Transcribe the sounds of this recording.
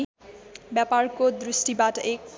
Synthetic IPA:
bjaparkod̪risʈibatʌʔek̚

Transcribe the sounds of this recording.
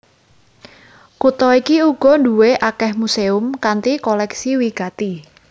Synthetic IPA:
kut̪ɔikiuɡ̥ɔ̤nduweʔakɛhmuseʊmkant̪ikɔlɛksiwiɡ̥at̪i

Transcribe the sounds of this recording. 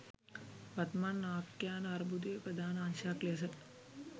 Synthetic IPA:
ʋɐt̪maːnːaːkjaːnɐɾbud̪eːpɾɐd̪ʱaːnaːnʃaːkles̬ɐt̪

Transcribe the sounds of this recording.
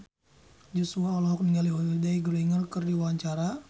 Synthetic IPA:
d͡ʒusuaɔlɔɦɔk̚niŋaliɦɔidaiɡəɾiŋərkərdiwaɲt͡ʃaɾa

